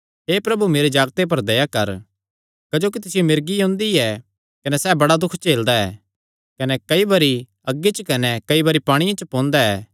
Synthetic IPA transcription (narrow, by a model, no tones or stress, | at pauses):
ɦeːpɾɐbumeːɾed͡ʒaːɡt̪ep̬ɐɾd̪ɐjakɐɾ | kɐd͡ʒoːkit̪ɪsɪjomɪɾɡiõːnd̪iɛ | kɐnɛsɛːbɐɽad̪ʊkʰt͡ʃeːld̪aɛ̰ː | kɐnɛkɐibɐɾi | ɐɡːit͡ʃkɐnɛkɐibɐɾipaːɽ̃ɪjãt͡ʃɐpɔ̃ːnd̪aɛː